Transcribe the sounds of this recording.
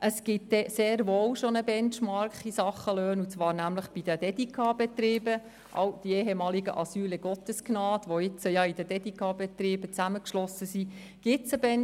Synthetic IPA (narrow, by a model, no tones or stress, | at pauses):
ʔəsɡ̥ɪt̚dɛseːɾʋoːwʃonəbɛnt͡ʃmɑɾkisɑχəløːnut͡sʋɑːɾnæmləχb̥id̥əd̥ɛdikʰɑbɛtɾɪːbə | ʔɑ̰wd̥ieːɦɛmɑːliɡəʔɑsyːlɛɡ̥ɔt̪əsknɑːdʋoɪt͡səjɑid̥əd̥ɛdikʰɑbɛt̪ɾɪːb̥ət͡sæməkʃlɔsəsi | ɡ̥ɪtt͡səbɛn